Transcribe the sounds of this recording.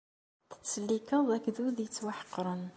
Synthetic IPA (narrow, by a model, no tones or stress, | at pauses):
t̪ə̥t͡sːəlːikəðˤækːðuðjət͡sːwaħə̥qːɾˤən